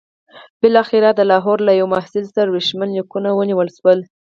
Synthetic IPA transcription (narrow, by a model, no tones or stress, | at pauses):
b̥ɪlɑxɪɾad̪əlɑɦɔɾlajawmahsɪlsaɾaweʃmanlikunawəniwəlʃwəl